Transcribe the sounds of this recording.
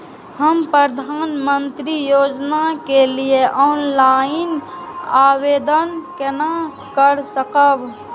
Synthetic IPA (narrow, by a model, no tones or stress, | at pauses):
həmpɾəd̪ʱanmənt̪ɾijod͡ʒnakelieʔɔnlainabed̪ənkena | kəɾsəkəb